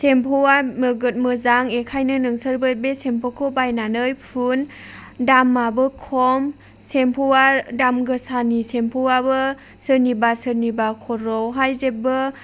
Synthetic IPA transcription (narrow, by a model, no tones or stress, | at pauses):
sempʰɔwamɯɡɯt̚mɯzaŋekʰajnɯnɯŋsəɾbɯbesempʰɔkʰobajnanɯjpʰun | damːabɯkʰɔm | sempʰɔwadamɡɯsanisempʰowabɯ | sɯnibasɯɾnibakʰɔɾɔwɦajzebɯ